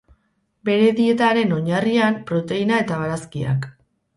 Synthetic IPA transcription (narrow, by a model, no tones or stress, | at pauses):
be̞ɾe̞ðie̞t̪aɾe̞no̞ɲariampɾo̞t̪e̞inae̞t̪aβ̞aɾaskia̰k